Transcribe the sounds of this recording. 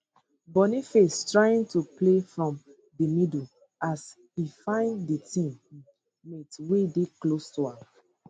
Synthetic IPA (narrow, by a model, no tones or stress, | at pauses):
bɔnifestɹaɪĩŋtuplefɹɔ̃m | dimidu | as | ifãɪ̃nditĩm | metwedeklostuã